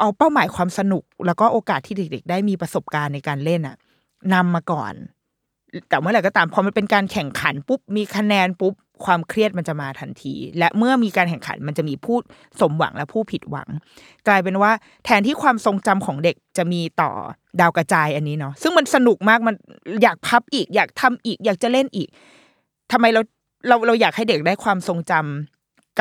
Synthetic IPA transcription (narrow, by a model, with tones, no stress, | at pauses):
ʔa˧wpa˥˩wmaː˩˦jkʰwaː˧msa˧nu˨˩k̚lɛ˦˥wkɔː˥˩ʔoː˧kaː˨˩t̪ʰːiː˥˩de˨˩k̚de˨˩k̚daː˥˩jmiː˧pɾa˧so˨˩p̚kaː˧nːa˧jkaː˧nle˥˩nʔa̰˨˩ | na˧mːaː˧kɔ̰ː˨˩n | t̪ɛː˨˩mɯ˥˩ɾa˧˩jkɔ˧˩t̪aː˧mpʰɔ˧ma˧npe˧nkaː˧nkʰɛ˨˩ŋkʰa̰˩˦npu˦˥p̚miː˧kʰa˧nɛː˧npu˦˥p̚kʰwaː˧mkʰɾi˥˩ət̪̚ma˧nt͡ɕa˨˩maː˧t̪ʰa˧nt̪ʰḭː˧lɛ˦˥ʔmɯ˥˩ɐmiː˧kaː˧nkʰɛ˨˩ŋkʰa̰˩˦nma˧nt͡ɕa˨˩ʔmiː˧pʰuː˥˩ | so˩˦mwa̰˩˦ŋlɛ˦˥pʰuː˥˩pʰi˨˩t̪̚wa̰˩˦ŋ | klaː˧jp̬e˧nwaː˥˩ | t̪ʰɛː˧˦nt̪iː˥˩kʰwaː˧mso˧ŋt͡ɕa˧mkʰɔː˩˦ŋde˨˩k̚t͡ɕa˨˩miː˧t̪ɔ̰ː˨˩ | daː˧wka˧t͡ɕaː˧jʔa˧nːiː˦˥nɔ˦˥sɯ˥˩ŋma˧nsa˧nu˨˩k̚maː˥˩k̚ma˧njaː˨˩k̚pʰa˦˥p̚ʔiː˨˩k̚jaː˨˩k̚t̪ʰa˧mʔiː˨˩k̚jaː˨˩k̚t͡ɕa˨˩le˥˩nʔiː˨˩k̚ | t̪ʰa˧mːa˧jɾa˧w | ɾa˧wɾa˧wjaː˨˩k̚ha˥˩jde˨˩k̚daː˥˩jkʰwaː˧mso˧ŋt͡ɕa˧m | k